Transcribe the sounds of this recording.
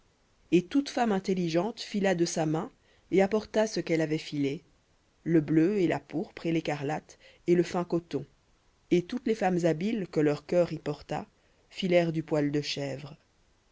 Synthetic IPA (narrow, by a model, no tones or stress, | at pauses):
et̪ut̪famɛ̃t̪eliʒɑ̃t̪filad̪əsamɛ̃ | eapɔʁt̪asəkɛlavɛfile | ləbløelapuʁpχelekaʁlat̪ | eləfɛ̃kɔt̪ɔ̃ | et̪ut̪lefamzabilkəlœʁkœʁipɔʁt̪a̰ | filɛʁd̪ypwald̪əʃɛvʁ